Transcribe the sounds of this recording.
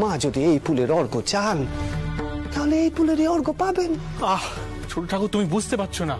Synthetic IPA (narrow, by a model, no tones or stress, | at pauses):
mad͡ʑod̪iejpuleɾɔɾɡot͡ɕan | t̪aɦoleejpuleɾeɔɾɡopaben | a | t͡ʃʰoʈoʈʰakot̪umibud͡ʑʱt̪epatːɕʰona